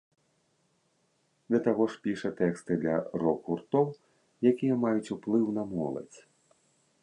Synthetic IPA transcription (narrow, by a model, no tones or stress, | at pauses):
d̪ʲɐt̪aɣɔʂpʲiʂɐt̪ɛkst̪ɨd̪lʲɐ̰rɔkurt̪ɔw | jakʲijɐmajut͡sʲuplˠɨwnɐmɔlˠɐ̰t͡sʲ